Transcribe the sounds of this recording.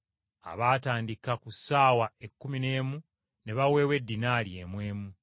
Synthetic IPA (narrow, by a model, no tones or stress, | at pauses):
a̰βaːtaːndikakusaːwae̞kːumine̞ːmu | ne̞βawe̞ːwe̞dːinaːljemwe̞ːmu